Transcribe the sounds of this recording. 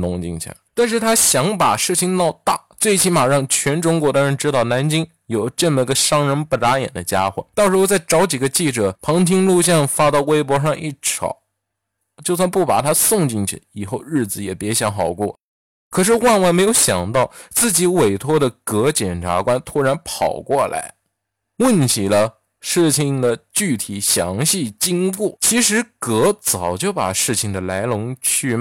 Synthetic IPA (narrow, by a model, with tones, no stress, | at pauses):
nʊ˧˥ŋt͡ɕḭ˥˩ŋt͡ɕʰḭ˧˩la̰˧˩˦t̪a˥˧nʂ̬ɻ̩˥˩t̪ʰa˥ɕjɑ˧˥ŋpa˨˩ʂɻ̩˥˩t͡ɕʰi˧˩ŋnɑ˥˧ʊt̪a˥˩t͡swe˥˩ɪt͡ɕʰi˧˥nma˨˩ʂɑ˥˩ŋt͡ɕʰɥɛ˧˥nʈ͡ʂʊ˧˥ŋkwɔ˧˥d̪ə˧ɻə˧˥nʈ͡ʂɻ̩˥t̪ɑ˥˩ʊna˧˥nt͡ɕi˥ŋ | jo˨˩ʊʈ͡ʂə˥˩mə˧˩˧ə˧ʂɑ˥ŋɻə˧˥npu˥˩t̪a˧˥jɛ̰˨˩nd̪ə˦t͡ɕja̰˥xwḛ˥˩t̪ɑ˥˧ʊʂɻ̩˧˥xo˥˧t͡sa˥˩ɪʈ͡ʂɑ˧˥ʊt͡ɕi˨˩ɡə˦t͡ɕi˥˩ʈ͡ʂɤ˨˩˦pʰɑ˧˥ŋt̪ʰi˥ŋlu˥˧ɕ̬jɑ˥˩ŋfa˥t̪ɑ˥˩ʊwe˥ɪpwɔ˧˥ʂɑ˥˧ŋʔi˥˩ʈ͡ʂʰɑ̰˨˩˦ʊ | t͡ɕjo˥˧ʊs̬wa˥˧npu˥˩pa̰˨˩t̪ʰa˥sʊ˥˧ŋt͡ɕi˥˩ŋt͡ɕʰḭ˨˩˧i˨˩xo˥˧ʊɻɻ̩˥˩d͡zɹ̩˨˩jɛ˨˩pjɛ˧˥ɕjɑ˧˥ŋxɑ˨˩ʊkwɔ˥˩ | kʰɤ˨˩ʂ̬ɻ̩˥˧wa˥˧nwa˥˩m˧˥ɪjo˧˥ʊɕjɑ˨˩ŋt̪ɑ˥˩ʊt͡sɹ̩˥˩t͡ɕi˧˥we˨˩ɪt̪ʰwɔ˥d̪ə˨kɤ˧˥t͡ɕjɛ˨˩nʈ͡ʂʰa̰˧˥kwa˥nt̪ʰu˥ɻa˧˥npʰɑ˨˩ʊkwɔ˥˩la̰˧˥ɪ | wə˥˩nt͡ɕʰi˨˩lə˦ | ʂɻ̩˥˩t͡ɕʰi˨˩ŋd̪ə˨t͡ɕy˥˩t̪ʰi˨˩ɕjɑ˧˥ŋɕi˥˩t͡ɕi˥ŋku˥˩t͡ɕʰi˧˥ʂɻ̩˧˥kɤ˧˥t͡sɑ˨˩ʊt͡ɕjo˥˩ʊpa̰˨˩ʂɻ̩˥˩t͡ɕʰi˨˩ŋd̪ə˩la˧˥ɪlʊ˧˥ŋt͡ɕʰy˥˩